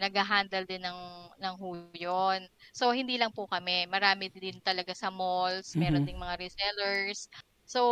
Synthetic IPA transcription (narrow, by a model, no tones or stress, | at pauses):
nɐɡhɐɦaːnd̪ɐld̪ɪnːɐŋnɐŋɦuːjonso̞hɪnd̪iːlɐŋpʊkɐmɛmɐɾaːmɪɪnt̪ɐlɐɡasɐmolsmɛːɾond̪ɪŋmɐŋaɾɪsɛlɛɹsː | o